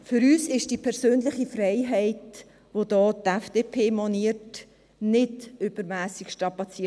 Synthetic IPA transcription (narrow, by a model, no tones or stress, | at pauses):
fʏɾyːsɪʃd̥iːpʰɛɾsøːnlɪχifrɛɪɦɛɪt | ʋodɔːtɛfd̥epʰeːmɔniːət | nɪtʏbəɾmæːsɪkʃtɾɑpɑt͡siə